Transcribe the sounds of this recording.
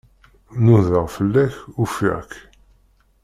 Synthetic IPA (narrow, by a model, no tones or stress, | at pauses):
nuðəʁfəlːæçufḭʁk